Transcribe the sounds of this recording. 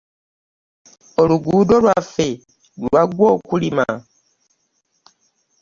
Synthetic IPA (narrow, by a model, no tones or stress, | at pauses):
oluɡuːdo̞lwafe̞ | laɡwoːkulima̰